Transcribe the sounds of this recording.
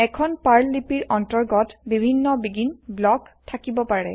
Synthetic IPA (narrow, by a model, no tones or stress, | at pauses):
ɛkʰɔnpaɹlipiɹʔɔntɔɹɡɔtbibʱinːɔbiɡinblɔktʰakibɔpaɹɛ̰